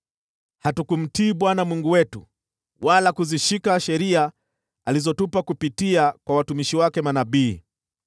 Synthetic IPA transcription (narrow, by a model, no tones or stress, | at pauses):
hatukum̩tiːɓwanamwuŋɡuwɛtṵ | walakuziʃikaʃɛɾia | alizɔtupakupitiakwawatumiʃiwakɛmanaɓiː